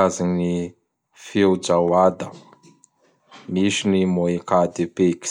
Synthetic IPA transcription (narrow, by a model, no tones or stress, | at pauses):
azini | fewd͡ʒawad̪ə | miʃinimoekad̪epeki̥